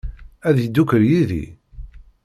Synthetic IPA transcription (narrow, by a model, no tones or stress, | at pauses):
æðjd̪ːukəɾjiðḭ